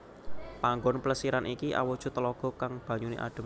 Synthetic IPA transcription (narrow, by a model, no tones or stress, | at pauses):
paŋɡɔnpləsiɾanʔikiʔa̰wɔd̥ʒ̥ṳt̪əlɔɡ̥ɔ̤kaŋb̥ä̤ɲunḭʔa̰ɖ̪̥ə̤